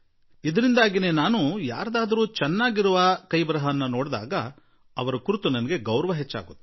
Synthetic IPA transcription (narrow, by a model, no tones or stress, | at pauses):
id̪ɐɾind̪aːɡine̞ːnaːnuja̰ːɾɐd̪aːd̪ɐɾuːt͡ʃɛnːaːɡiɾuʋɐkɐjbɾɐɦɐnːɐnoːɽd̪a̰ːɡɐ | ɐʋɐɾɐkuɾut̪unɐnɐɡe̞ɡɐwɾɐʋɐɦet͡ʃːa̰ːɡut̪ːe